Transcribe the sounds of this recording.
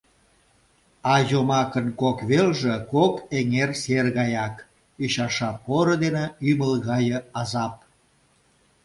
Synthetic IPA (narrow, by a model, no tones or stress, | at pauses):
ɑjomɑkənkokβelʒekokeŋerserɣɑjɑk | iɕɑʃɑpoɾod̪eneyməlɣɑjəɑzɑp̚